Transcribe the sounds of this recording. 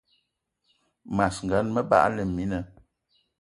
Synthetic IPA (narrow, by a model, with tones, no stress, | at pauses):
ma˨sŋ̩˨ɡa˨˦nmə˦ba̰˦ʔlə˨mi˨˦nə˨